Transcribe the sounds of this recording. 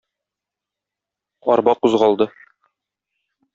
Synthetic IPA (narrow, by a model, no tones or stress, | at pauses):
ɒɾbɑquzʁɑlˠd̪ɤ